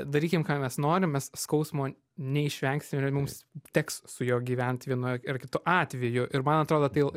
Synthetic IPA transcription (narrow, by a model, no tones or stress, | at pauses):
d̪ɐɾʲiːkʲɪmkɑːmʲɛsnoːɾʲɪmmʲɛsskɐʊsmoː | nʲɛɪʃʲʋʲɛŋksʲɪmʲɪmʊmst̪ʲɛkssʊjoːɡʲiːʋʲɛnʲt̪ʲʋʲiɛnʊɪrkʲɪt̪ʊʔɑːt̪ʲʋʲɛjʊʔɪɾmɐnɐt̪ɾoːd̪oːt̪ɐɪ